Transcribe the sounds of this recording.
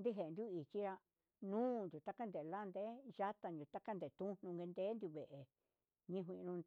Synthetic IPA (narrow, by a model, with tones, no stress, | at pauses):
nd̪i˦ɦe˨˧nd̪u˦i˨t͡ʃi˦ɾa˧ | nũː˦˧nd̪ʲu˨t̪a˦ka˦nd̪e˨la˦˧nd̪e˦ʒa˦t̪a˧nd̪u˨t̪a˦ka˦nd̪e˨t̪ũ˦n̥ũ˧ŋɡe˧nd̪eː˦nd̪ʲu˧βe˨ʔe˨ | ɲĩ˦˧ɦʷĩ˧ʔnũ˧